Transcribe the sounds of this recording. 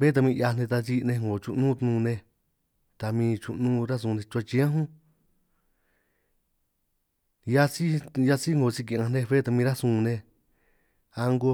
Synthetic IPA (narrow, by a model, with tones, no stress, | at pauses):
βe˦t̪̬a˧mĩ˧ja˧nẽ˧t̪a˧si˧nẽ˧ŋɡo˨t͡ʃu˧ʔnũ˦t̪nũ˧nẽ˧ | t̪a˧mĩː˧t͡ʃu˧nũ˦ɾa˦s̬ũ˧nẽ˧t͡ʃu˧a˧t͡ʃi˧˦ã˦ɦũ˦ | ja˦si˦ja˧si˦ŋɡo˨si˧k̬i˧˨ã˧nẽ˧βe˦t̪a˧mĩ˧ɾa˦sũ˧˨˧nẽ˧ | a˧ŋɡo˧